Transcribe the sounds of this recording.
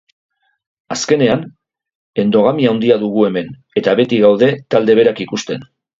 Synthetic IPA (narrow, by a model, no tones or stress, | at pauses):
aske̞ne̞an | e̞nd̪o̞ɣ̞amiaond̪iaðuɣue̞me̞n | e̞t̪aβe̞t̪iɣawðe̞t̪ald̪e̞β̞e̞ɾakikust̪e̞n